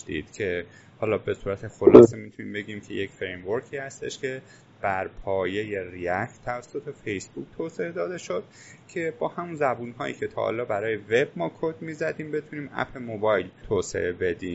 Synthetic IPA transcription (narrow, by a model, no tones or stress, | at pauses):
d̪ḭːd̪̥cʰe̞ | hɒːlɒːbe̞suːɾæt̪ʰe̞xolɒ̰ːsemit̪ʰuniːmbe̞ɟiːmcʰe̞jecfɾemvoɾkʰiːhæst̪eʃcʰe̞ | b̥æɾpʰɒːje̞je̞riækt̪ʰævæsːot̪ʰe̞fe̞jsbuk̚ʰt̪ʰoːse̞ed̪ɒːd̪e̞ʃo̞d̪̥̚ | cʰe̞bɒːhæmunzæbunhɒ̰ːjḭːcʰe̞t̪ʰɒ̰hɒ̰lɒːbæɾɒːjeve̞bmɒːkʰod̪miːzæd̪iːmbet̪ʰuniːmæ̰pʰe̞mobɒːjlt̪ʰoːse̞̰ʔe̞be̞d̪iːm